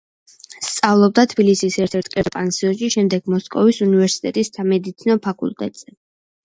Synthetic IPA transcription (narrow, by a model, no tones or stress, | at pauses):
st̪sʼavlˠɔb̚d̪at̪ʰbilisisɛɾt̪ʰɛɾt̪ʰkʼɛɾpʼansiɔnʃiʃɛmd̪ɛɡ̥mɔskʼɔvisunivɛɾsi̥t̪ʼɛt̪ʼisamɛd̪it̪sʰinɔpʰakʼṵlˠt̪ʼɛ̰t̪ʼz̥ɛ